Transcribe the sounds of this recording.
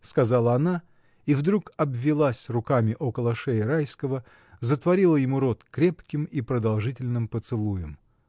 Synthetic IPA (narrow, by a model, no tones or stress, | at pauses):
skɐzalˠəɐna | ivd̪ɾukɐbvʲːɪlˠasʲrʊkamʲɪʔo̞kəlˠəʂɛjəɾajskəvə | zət̪vɐɾʲilˠəjɪmuɾo̞t̪kɾʲe̞pkʲɪmipɾəd̪ɐlˠʐɨtʲɪlʲnɨmpət̪sɨlˠujɪm